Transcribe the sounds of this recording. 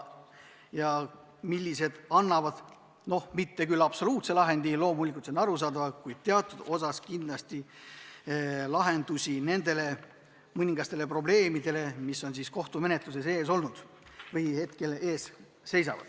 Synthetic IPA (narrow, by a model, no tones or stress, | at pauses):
jɑ | milʲːise̞d̪̥ɑnːɑvɑd̪̥ | no̞hmit̪ːe̞kylɑb̥so̞luːt̪se̞lɑɦe̞nd̪̥ilo̞ːmulikˑult̪senɑɾus̬ɑːd̪ɑvɑkujd̪̥̚t̪eɑt̪ːˑud̪̥o̞s̬ɑskinlɑst̪i | lɑɦe̞nd̪usʲine̞nd̪̥e̞le̞ | mɤnʲiŋɡ̥ɑst̪e̞le̞pro̞ble̞ːmid̪̥e̞le̞misːo̞nsiːsko̞ht̪ume̞net̪ˑlus̬e̞se̞ːs̬o̞lnud̪̥ | vɤjhe̞t̪ke̞le̞ːs | se̞js̬ɑ̰vɑ̰d̪̥